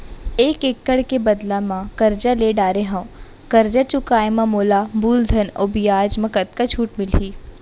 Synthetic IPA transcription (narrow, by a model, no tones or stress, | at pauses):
eːkekːəɽkebɐd̪lamãkɐɾd͡ʒaleːɖaːɾeɦɐ̃ | kɐɾd͡ʒat͡ʃʊkaːemãmoːlabuːld̪ʱəno̰bijaːd͡ʒmɐkət̪kat͡ʃʰuːʈmɪlɦiː